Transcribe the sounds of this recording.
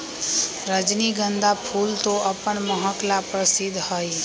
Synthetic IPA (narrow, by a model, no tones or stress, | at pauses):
ɾəd͡ʒniɡə̃nd̪apʰult̪oʔəpənməɦəklapɾəsɪd̪ʱhəj